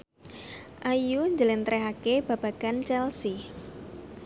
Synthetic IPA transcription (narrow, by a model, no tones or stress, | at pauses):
ʔajuɲd͡ʒəlɪnt̪ɾɛɦakeb̥a̤b̥aɡ̥ant͡ʃɛlsi